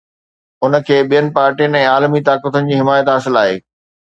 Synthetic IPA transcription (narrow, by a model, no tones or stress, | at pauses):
ʊnə̆kʰeːɓijənɪ̆paːɾʈijənɪ̆ɛ̃ːaːlmit̪aːkət̪ənɪ̆d͡ʑiːɦɪmaːjət̪ɦaːsɪlaːɦḛː